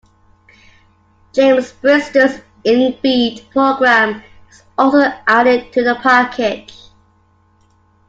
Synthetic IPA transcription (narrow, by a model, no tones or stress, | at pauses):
ʒ̥ẽɪ̃mzb̥ɹɪstəs | ɪ̃nbidpʰɹ̥oʊɡɹæ̃m | ɪz̥ | ɔlˠsoʔæɾɪd̚tʰɨðəpʰɑˑkʰɪk